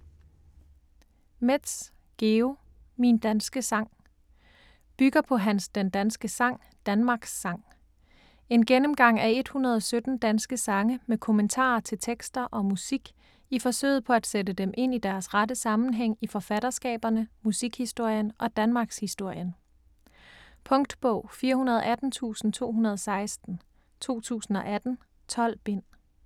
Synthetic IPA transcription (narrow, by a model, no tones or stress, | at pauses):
med̥s | ɡ̥e̝o | mind̥ænsɡ̥əsɑ̈ŋ̰ | b̥yɡ̥ɐpʰɒ̽ɦænsd̥end̥ænsɡ̥əsɑ̈ŋ̰ | d̥ænmɑ̈ːɡ̥sːɑ̈ŋ̰ | e̝nɡ̥enəmɡ̥ɑ̈ŋ̰æe̝d̥hunɐð̞ˠɒsød̥n̩d̥ænsɡ̥əsɑ̈ŋəmekʰo̝mənt͡sʰɑ̰̈ːɐt͡sʰe̝lt͡sʰeɡ̥sd̥ɐʔɒ̽musiɡ̥ | ifɒ̽sø̰ːɪ̰ð̩ˠpʰɒ̽æd̥sedəd̥emʔe̝n̰id̥æɐsʁɑdəsɑ̈mn̩ɦeŋ̰ifɒ̽fæɾ̥ɐsɡ̥ɛ̰ːb̥ɐnəmusiɡ̥hisd̥o̝ɐ̰jənʔɒ̽d̥ænmɑ̈ːɡ̥shisd̥o̝ɐ̰jən | pʰɔ̽ŋd̥b̥ɔʊ̰fiːɐhunɐð̞ˠʔæd̥n̩t͡sʰṵːsn̩t͡sʰo̝̰ːɦunɐð̞ˠɒsɑ̈ɪsd̥n̩ | t͡sʰo̝̰ːt͡sʰṵːsn̩ɒ̽ʔæd̥n̩ | t͡sʰɒ̽l̰b̥e̝n̰